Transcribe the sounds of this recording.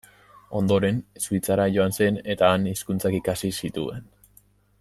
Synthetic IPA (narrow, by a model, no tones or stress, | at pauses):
o̞nd̪o̞ɾe̞nsuit͡saɾaʝo̞anse̞ne̞t̪aːniskunt͡sakikasisit̪ue̞n